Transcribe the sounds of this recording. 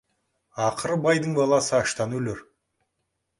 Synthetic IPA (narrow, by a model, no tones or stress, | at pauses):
ɑqʰəɾəbɑjd̪əɴbɑlˠɑsəɑʃt̪ɑnwɵleɾ